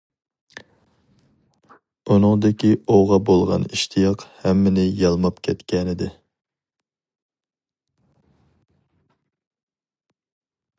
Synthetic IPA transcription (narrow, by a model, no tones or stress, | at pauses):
unɨŋd̪ɪkʲioʁɑbolˠʁɑ̰niʃt̪ʰijɑqhɛmːɪnɪjɑlˠmɑpkʲʰɛt̪kʲʰɛnɪd̪ɪ